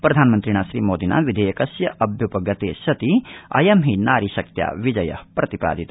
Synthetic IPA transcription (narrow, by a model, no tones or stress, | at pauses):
pɾɐd̪ʱaːnmɐnt̪ɾiɳ̃aːʃɾiːmoːd̪ina̰ːʋid̪ʱejɐkɐsjɐʔɐbʱjupɐɡɐt̪eːʃɐt̪iɐ̰jɐmɦinaːɾiʃɐk̚t̪ja̰ːʋid͡ʒɐjɐ̰hpɾɐt̪ipa̰ːd̪ʱit̪